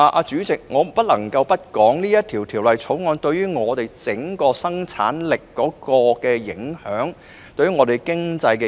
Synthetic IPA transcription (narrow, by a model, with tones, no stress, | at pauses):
a˨˧ʔaː˧t͡ʃyː˨˥t͡sɪ˨k̚ŋɔː˨˧m˨˩pɐ˥t̚lɐ˨˩ŋkɐ˧wpɐ˥t̚kɔː˨˥ŋniː˥jɐ˥t̪ʰiː˨˩wt̪ʰiː˨˩wlɐ˨jt͡sʰo˨˥wŋɔː˨˧˥nt̪ɵ˧ɥjɥyː˥ŋɔː˨˧t̪e˨jt͡sɪ˨˥ŋkɔː˧sɐ˥ŋt͡sʰa̰ː˨˥nlɪ˨kːɔː˨˥kɔː˧kɛː˧jɪ̰˨˥ŋhœː˨˥ŋ | t̪ɵ˧ɥyː˥ŋɔː˨˧t̪e˨jkɪ˥ŋt͡sɐ˧jkɛ˧